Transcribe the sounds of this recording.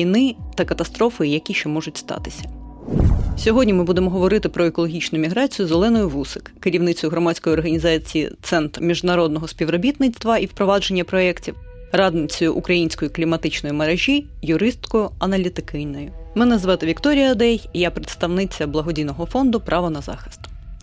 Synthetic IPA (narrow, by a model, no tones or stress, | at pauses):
inɪt̪ɐkɐt̪ɐst̪ɾɔfɪjɐkʲiʃt͡ʃɔmɔʒʊtʲst̪ɑ̰t̪ɪ̥sʲɐ̥ | sʲɔɦɔdʲnʲimɨbud̪emɔɦɔʋɔɾɪt̪ɪpɾɔekɔlˠɔɦʲit͡ʃnʊmʲiɦɾɑt͡sʲijʊzolˠɛnɔjʊʋusɪkːɪɾʲiwnɪt͡sʲɔjʊɦɾɔmɑsʲkɔjɔrɦɐnʲizɑt͡sʲiḭt̪sɛnt̪rmʲiʒnɐɾɔd̪nɔɦɔspʲiwɾɔbʲit̪nɪt͡s̪ʲt̪ʋɐiwpɾɔʋɑd͡ʒe̞nʲːɐpɾɔɛktʲiw | rɑd̪nɪt͡sʲɔjʊʔukɾɐjinʲsʲkɔjiklʲimɐt̪ɪt͡ʃnɔjimɐɾeʒʲijʊɾɪst̪kɔjʊɐnɐlʲit̪ɪkɪjnɔjʊmɪnɛzʋɛt̪ɪʋʲikt̪ɔɾʲijɐɐd̪ɛjjapɾet̪st̪ɐʋnɪt͡sʲɐblˠɐɦɔdʲijnɔɦɔfɔnd̪ʊpɾʔɑʋɔnɐzɑ̰xɪ̥st̪